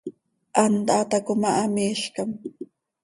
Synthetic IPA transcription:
ʔand̪at̪akʊmaʔːmiʃkam

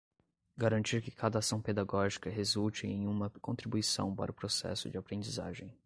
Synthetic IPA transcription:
ɡaɾɐ̃nt͡ʃiɾkɪkʰad̪ɐasɐ̃w̃ped̪aɡɔʒikɐɦezult͡ʃɪẽj̃ũmɐkõnt̪ɾibuisɐ̰̃w̃pa̰ɾɐʊpɾosɛ̰sʊ̰d͡ʒɪapɾẽnd͡ʒiza̰ʒẽj̃

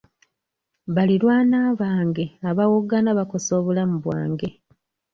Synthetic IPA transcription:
βaliɾwaːnaːβaːŋɡe̞aβawoɡanaβako̞so̞ːβulamuβwa̰ːŋɡe̞

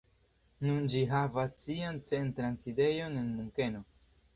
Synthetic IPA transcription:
nund͡ʒiɦavasːiant͡se̞ntɾanside̞jo̞nenmuŋke̞no̞

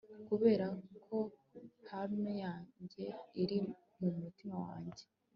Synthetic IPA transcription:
kuβe̞ːɾakʰo̞hamnejaːɲɟe̞iɾi | mumutimawa̰ːɲɟe

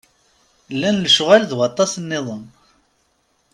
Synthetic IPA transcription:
lːænləʃʊʁælðwɑt̪ˤːɑsnːɪðˤən

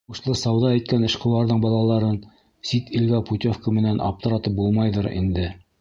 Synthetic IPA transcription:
uʃlˠɤsɑwðɑæjt̪̚kænɘ̆ʃqɤ̆wlˠɑɾðɤɴbɑlˠɑlˠɑɾɤn | sit̪ʰilɡæput̪ʲofkəmɘ̆nænʔɑ̰p̚t̪ɤ̆ɾɑt̪ɤp̚bulˠmɑjðɤɾḭnd̪ɘ

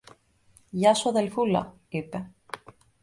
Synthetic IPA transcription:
ʝɐsoɐðelfulɐ̰ | ipe

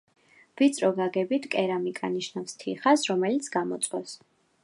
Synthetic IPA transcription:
v̥it̪sʼɾɔɡaɡɛbit̪ʰkʼɛɾamikʼa̰niʃnafst̪ʰiχasɾɔmɛlit̪sʰɡamɔ̰t̪sʼqʼɔs

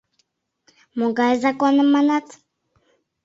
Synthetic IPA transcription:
moɡaɛzakɔnəmanat̪

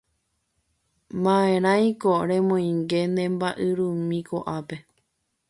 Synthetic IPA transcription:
mãẽɾ̃ãj̃koɾẽ̞mõj̃ŋɡe̞nẽ̞mbaʔɨɾũmĩkoʔape̞

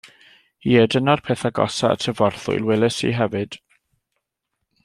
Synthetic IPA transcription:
iːɛdənarpʰeːθaɡɔ̰saə̰tʰəvɔrθʊ̰jlˠwɛlˠəsḭɦɛvɨd̥

